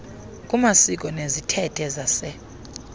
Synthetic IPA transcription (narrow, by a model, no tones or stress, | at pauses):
kʼumasik̬ʼɔnezitʰɛtʰʼɛzasɛ